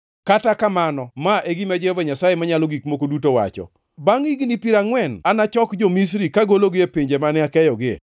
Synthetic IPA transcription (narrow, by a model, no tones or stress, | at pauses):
katakamanɔmaʔeɡimad͡ʒɛhovaɲasajemaɲalɔɡikmokodutowa̰t͡ʃɔ̰ | baŋiɡnipiɾaŋwɛnanat͡ʃɔkd͡ʒomis̬ɾikaɡoloɡɪepiɲd͡ʒemanɪakɛjɔɡɪḛ